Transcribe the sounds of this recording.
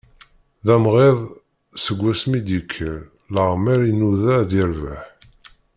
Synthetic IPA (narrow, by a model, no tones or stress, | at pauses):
ðæmʁeðˤ | səɡʷːæsmid̪ikʰəlː | əʁmæɾinuðæðiɾvəħ